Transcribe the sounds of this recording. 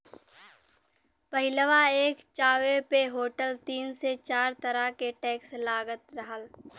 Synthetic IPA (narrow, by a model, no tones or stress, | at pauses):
pɐɦɪləʋaeːkt͡ʃaːʋepeɦoːʈəlt̪iːnset͡ʃaːɾt̪əɾakeʈɛːkslaːɡət̪ɾɐɦəl